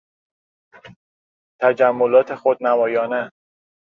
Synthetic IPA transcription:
t̪ʰæd͡ʒæmːolɒːt̪ʰe̞xod̪̚nævɒːjɒːne

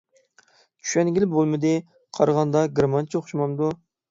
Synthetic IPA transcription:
t͡ʃʰy̥ʃɛnɡʲilbolˠmɨd̪ɪ | qʰɑɾʁɑnd̪ɑɡɾamɑnt͡ʃʰoχʃmɑmd̪u

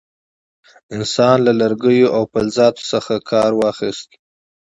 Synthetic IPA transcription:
ɪnsɑnlalaɾɡəjoʔawpalzɑt̪o̥səxakʰɑɾwɑxist̪

